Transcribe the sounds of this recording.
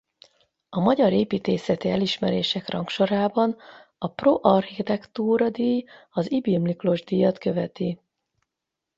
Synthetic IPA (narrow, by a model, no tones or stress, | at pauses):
ɒmɒɟɒɾeːpiːt̪eːsɛt̪iɛliʃmɛɾeːʃɛkrɒŋkʃo̞ɾaːbɒnɒproʔɒrxit̪ɛkt̪uːɾɒd̪iːj | ɒzibimliklo̞ʒd̪ijɒt̪kø̞vɛt̪i